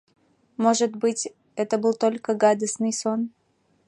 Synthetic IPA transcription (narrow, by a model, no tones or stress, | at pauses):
mo̞ʐɨt̪bɨtʲ | ɛt̪əbɨlˠt̪o̞lʲkəɡad̪əsnɨjso̞n